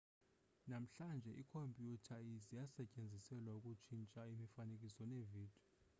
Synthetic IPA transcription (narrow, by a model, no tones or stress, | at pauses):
nam̩ɬand͡ʒʱɛʔikʰompʼjutʰaizijasɛcʼend͡zʱisɛlwaukʼut͡ʃʰint͡ʃʼaimifanekʼisɔneviːd̥ʱɔ